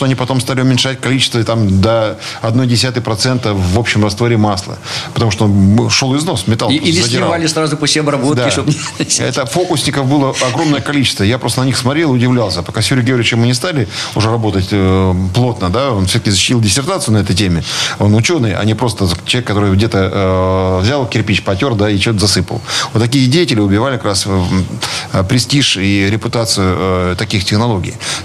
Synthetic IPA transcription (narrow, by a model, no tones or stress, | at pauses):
t̪oɐnʲipɐt̪o̞mst̪alʲɪʊmʲɪnʂat̚ʲkɐlʲit͡ɕɪ̥st̪vət̪amd̪əɐd̪no̞jdʲɪs̬ʲat̪ɨjpɾɐt̪sɛnt̪əvːopɕːɪmrɐst̪voɾʲɪmaslˠə̰pət̪ɐmuʂt̪oonʂo̞lˠɪzno̞smʲɪt̪alˠilʲɪzəd̪ʲɪɪavalʲɪsɾazʊpəsʲeɐbɾɐbot̪d̪kaɪʃt̪oɛ̰t̪əfo̞kʊsʲnʲɪkəfbɨlˠəɐɡɾo̞mnəjəkɐlʲit͡ɕɪ̥st̪vəjapɾo̞st̪ənənʲixsmɐt̪ɾʲelˠʊdʲɪvlʲalˠsʲəpɐkasʲjuɾʲɪɡʲɾʲɪt͡ɕɪmɨnʲɪst̪alʲɪʊʐɛɾɐbot̪ətʲəplˠo̞t̪nəd̪aonfsʲot̪əkʲɪzəɕːɪ̥tʲilˠdʲɪsʲɪrt̪at̪sɨʊnɐɛt̪əjtʲemʲɪo̞nʊt͡ɕo̞nɨjɐ̰nʲipɾo̞st̪ət͡ɕlˠʲekːɐt̪o̞ɾɨjɡdʲe̞t̪ə | vzʲalˠkʲɪrpʲit͡ɕpɐtʲo̞rd̪ait͡ɕɪot̪əzɐsɨpə̰lˠvot̪ːɐkʲijədʲejɪtʲɪlʲɪʊbʲɪvalʲɪkɐkɾas | pɾʲɪsʲtʲiʂiɾʲɪpʊt̪at̪sɨjʊət̪ɐkʲixtʲɪxnɐlˠo̞ɡʲɪ̰j